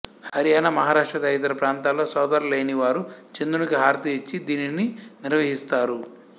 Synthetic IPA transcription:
hɐɾijaːnɐmɐɦaːɾaːʂʈɾɐd̪ɐjt̪̬ɐɾɐpɾaːnt̪aːlo̞ːsɔːd̪ɐɾleːjniʋaːɾut͡ʃend̪unikiɦaːɾt̪iit͡ʃːid̪iːnininiɾʋɐɦist̪aːɾu

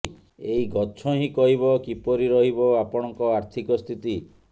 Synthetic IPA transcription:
eiɡɔt͡ʃʰɔɦĩkɔɦiβɔkipɔɾiɾɔɦibɔapɔɽ̃ɔŋkɔaɾt̪ʰikɔst̪ʰit̪i

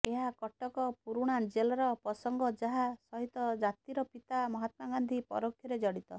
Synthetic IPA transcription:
eɦakɔʈɔkɔpuɾuɽ̃ad͡ʒelɔɾɔpɔsɔŋɡɔd͡ʒaɦasɔɦit̪ɔd͡ʒat̪iɾɔpit̪amɔɦat̪maɡand̪ʱipɔ̰ɾokʰːjɔɾed͡ʒɔɽit̪ɔ

